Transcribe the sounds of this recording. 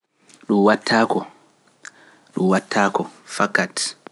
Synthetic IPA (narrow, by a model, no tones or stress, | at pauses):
ɗumwatʰːaːkɔ | ɗumwatʰːaːkɔfakat